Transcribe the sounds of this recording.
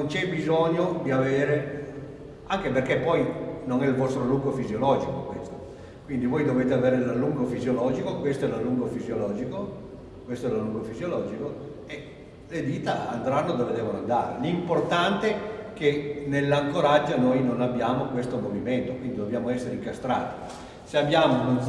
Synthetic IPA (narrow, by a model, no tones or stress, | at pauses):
nont͡ʃɛbizoɲːod̪iaveːɾe | aŋkeperkepɔjnoŋɛilvɔst̪ɾoluŋɡofizjolɔːd͡ʒikokwest̪o | kwind̪ivoːjd̪oveːt̪eaveːɾelalːuŋɡofizjolɔːd͡ʒikokwest̪oɛlaluŋɡofizjolɔːd͡ʒiko | kwest̪oɛlaluŋɡofizjolɔːd͡ʒiko | e | led̪iːt̪aa̰nd̪ɾanːod̪oːved̪ɛːvonoa̰nd̪aːɾḛlimport̪ant̪ek̟enelːaŋkoɾad͡ʒːonojnonabjaːmokwest̪omoviment̪okwind̪id̪objaːmoɛsːeɾeiŋkast̪ɾa̰ːt̪i̥ | seabːjaːmon